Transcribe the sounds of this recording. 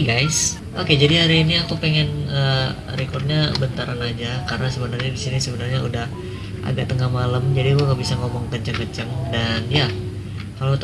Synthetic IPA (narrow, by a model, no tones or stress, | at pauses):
ɡajs | ʔoked͡ʒadiɦaɾiːniakupeŋɛnəː | ɾekɔrt̪̚ɲabənt̪aɾanad͡ʒakarənasəbənarɲabisinisəbənarɲaudah | ʔa̰ɡaʔt̪əŋahmaləmd͡ʒadikuaŋɡabisaŋomɔŋkəɲt͡ʃəŋkət͡ʃəŋdanja | kalot̪